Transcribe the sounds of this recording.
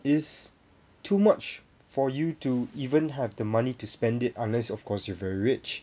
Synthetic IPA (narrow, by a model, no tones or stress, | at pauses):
ɪs | tʰumat͡ʃ | fɔjutuivə̃nɦɛvdəmanituspɛ̃ndɪtãnlɛsɔfkʰɔsjɔvɛɹiɹɪt͡ʃ